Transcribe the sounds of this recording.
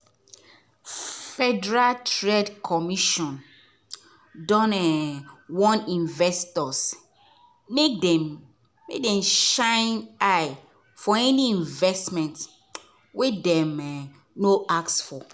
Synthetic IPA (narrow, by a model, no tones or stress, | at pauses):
fɛdɛɹaltɹɛdkʰɔmiʃɔ̃n | dɔ̃nɛwɔ̃nĩnvɛstɔs | mekdɛ | mek̚dɛ̃mʃãɪnaj | fɔɛniĩɱvɛstmɛ̃nt | wɛdɛ̃mɛ | noaksfɔ